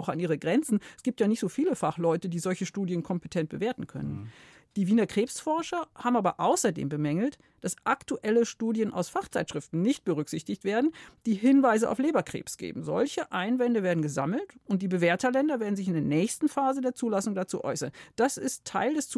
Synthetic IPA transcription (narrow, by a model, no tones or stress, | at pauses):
ʊxa̰nʔiːʁəɡʁɛnt͡sn̩sɡ̥iːp̚tjaːnɪçtz̥oːfiːləfaχlɔʏtədiːzɔlçəʃtuːdjənkʰɔmpətʰɛnt̚b̥əveːɐtn̩kʰœ̰nən | d̥iːviːnɐkʁ̥eːpsfɔɐʃɐhaːbm̩ʔaːbɐʔaʊsɐdḛːmbəmɛŋl̩t | d̥asʔaktuʔɛləʃtuːdjənʔa̰ʊsfaχt͡saɪtʃʁ̥ɪftn̩nɪçt̚b̥əʁʏkz̥ɪçtɪçtv̥eːɐdn̩d̥iːɦɪnvaɪzəʔa̰ʊleːbɐkʁ̥ḛːpsɡ̥ḛːbm̩zɔ̰lçəʔaɪnvɛndəveːɐdn̩ɡəza̰ml̩tʊnt̚d̥iːbəveːɐtɐlɛndɐveːɐdn̩zɪçɪndeːɐnɛːçstn̩faːzədeːɐt͡suːlasʊŋdat͡sṵːʔɔʏsɐ̰nd̥asɪstʰːaɪldɛst͡su